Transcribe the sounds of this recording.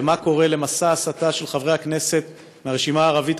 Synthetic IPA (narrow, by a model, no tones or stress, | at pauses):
mako̞ʁe̞le̞masaːsataʃe̞lχavʁeakne̞se̞t̪ | meaʁeʃimaːʁavit̪